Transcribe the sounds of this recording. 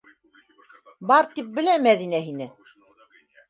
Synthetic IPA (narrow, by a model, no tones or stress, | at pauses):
bɑɾt̪ip̚bɘ̆læmæðinæɦinɘ